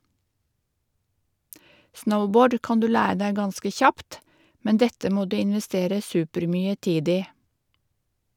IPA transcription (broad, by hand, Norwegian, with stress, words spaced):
ˈsnəʊˌboːɖ ˈkɑːn ˈdʉː ˈlæː ˈdæɪ ˈɡɑnskə ˈçɑpt ˈmɛn ˈdɛtə ˈmoː ˈdʉː ɪnʋɛˈsteːɾə ˈsʉːpəɾˌmyːə ˈtiːd ˈiː